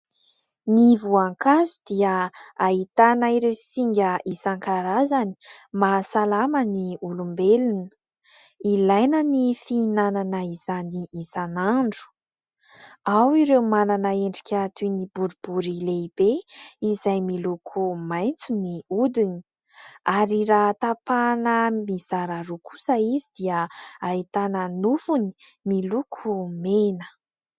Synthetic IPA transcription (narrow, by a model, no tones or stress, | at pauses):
nivuaŋkazud̪iəait̪anaiɾewisiŋɡʲəʔisaŋkaɾazani̥masalaməniulumbelinə̥ | ilajnənifiːnananəiz̥aniʔisanaɳɖ͡ʐu̥ | awiɾewmananaeɳɖ͡ʐi̥kʲat̪unibuɾubuɾileib̥eizajmilukʰumajnt͡suniud̪ini | aɾiɾat̪apanəmiz̥aɾaɾukʰu̥saizid̪̥iəait̪anənufuni̥milukʰumenə̥